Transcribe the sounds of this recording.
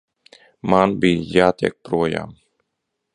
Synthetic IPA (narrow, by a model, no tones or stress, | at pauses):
manbiːjaːt̪ḭɛk̚pɾuɔja̰ːm